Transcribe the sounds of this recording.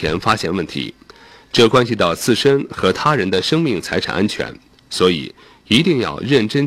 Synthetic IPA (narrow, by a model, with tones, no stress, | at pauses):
jɛ̰˧˥nfa˥ɕjɛ̰˥nwə˥˩nt̪ʰḭ˧˥ | ʈ͡ʂɤ˥˩kwa˥nɕi˧t̪ɑ˥˧ʊt͡sʰɹ̩˥˩ʂə˥nxɤ˧˥t̪ʰa˥ɻə˧˥nd̪ə˧ʂɤ˥ŋmi˥˩ŋt͡sʰa˧˥ɪʈ͡ʂʰa̰˨˩ʔa˥nt͡ɕʰɥɛ̰˧˥n | swɔ˧˥ḭ˨˩ | i˧˥t̪i˥˧ŋjɑ̰˥˧ʊɻə˥˩nʈ͡ʂə˥n